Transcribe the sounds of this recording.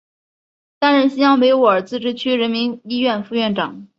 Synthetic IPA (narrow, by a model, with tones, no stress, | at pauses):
t̪a˥nɻə˧˥nɕi˥njɑ˥ŋpwe˧˥ɪwɔ˧˥˩ə˞˨˩t͡sɹ̩˥˩ʈ͡ʂɻ̩˥˩t͡ɕʰy˥ɻə˧˥nmi˧˥ŋi˥ɥɛ˥˧nfu˥˧ɥɛ˥˩nʈ͡ʂɑ˨˩˦ŋ